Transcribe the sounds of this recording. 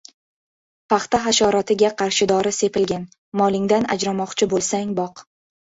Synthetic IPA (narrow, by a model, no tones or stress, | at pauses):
pʰɑχt̪aɦaʃɒɾɒt̪ɪɡʲaqʰɑɾʃɪd̪ɒɾɪse̞pɪlɡʲan | mɒlˠɪŋd̪ana̰d͡ʒɾamɒqt͡ʃʰɪbolˠsaŋʲbɒq